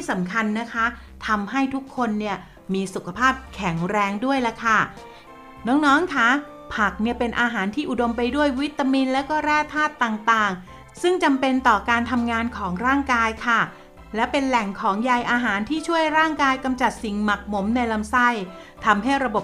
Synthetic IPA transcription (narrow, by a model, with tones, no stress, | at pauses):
t̪i˥˩sa˩˦mkʰa˧nːa˦˥kʰa˦˥ | t̪ʰa˧mɦa˥˩jt̪ʰu˦˥kʰːo˧nːi˥˩ɐ | miː˧su˨˩kʰa˧pʰaː˥˩p̚kʰɛ˩˦ŋɾɛː˧ŋdu˥˩əjla˦˥kʰa˥˩ | nɔː˦˥ŋnɔː˦˥ŋkʰa˦˥ | pʰa˨˩k̚ni˥˩ɐpe˧nʔaː˧ɦaː˩˦nt̪ʰiː˥˩ʔu˨˩do˧mpa˧jdu˥˩əjwi˦˥t̪ːa˧miː˧nlɛː˦˥wkɔː˥˩ɾɛː˥˩t̪ʰːaː˥˩t̪ːaː˨˩ŋt̪aː˨˩ŋ | sɯ˥˩ŋt͡ɕa˧mpe˧nt̪ɔː˨˩kaː˧nt̪ʰa˧mŋaː˧nkʰɔː˩˦ŋɾaː˥˩ŋkaː˧jkʰa˥˩ | lɛ˦˥pe˧nlɛ˨˩ŋkʰɔː˩˦ŋja˨˩jʔaː˧ɦaː˩˦nt̪ʰiː˥˩t͡ɕʰu˥˩əjɾaː˥˩ŋkaː˧jka˧mt͡ɕa˨˩t̪̚si˨˩ŋma˨˩k̚mo˩˦mna˧jla˧msa˥˩j | t̪ʰa˧mɦa˥˩jɾa˧bo˨˩